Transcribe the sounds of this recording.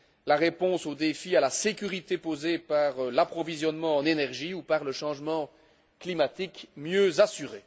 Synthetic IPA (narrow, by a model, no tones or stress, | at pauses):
laʁepɔ̃sod̪efialasekʲyʁit̪epozepaʁlapχɔvizjɔnmɑ̃ɑ̃nenɛʁʒiupaʁləʃɑ̃ʒmɑ̃ | klimat̪ikmjøzasyʁe